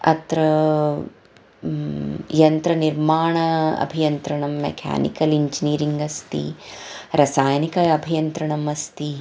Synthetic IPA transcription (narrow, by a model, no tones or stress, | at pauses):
ɐ̰t̪ɾɐ | jɐnt̪ɾɐniɾmaːɳɐɐ̰bʱijɐnt̪ɾɐɳɐmːḛkʰa̰ːnḭkɐliɲd͡ʒiniːɾiŋɡɐst̪ḭɾɐsaːjnikɐɐbʱijɐnt̪ɾɐɳɐmɐst̪i